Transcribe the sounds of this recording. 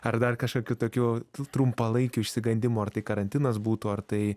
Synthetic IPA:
ɐrd̪ɐrkɐʃkoːkʲut̪oːkʲuːt̪ɾʊmpɐlˠɐɪkʲuːɪʃʲsʲɪɡɐnʲd̪ʲɪmuɐrt̪ɐɪkɐɾɐnʲt̪ʲɪnɐsbuːt̪ʊːɐrt̪ɐɪ

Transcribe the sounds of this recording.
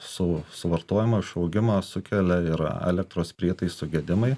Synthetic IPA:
sʊsʊʋɐɾt̪oːjɪmɐɪʃɐʊɡʲɪmɐsʊkʲɛlʲɛɪɾɛ̰lʲɛk̚t̪ɾoːspʲɾʲiɛt̪ɐɪsʊɡʲɛd̪ʲɪmɐɪ

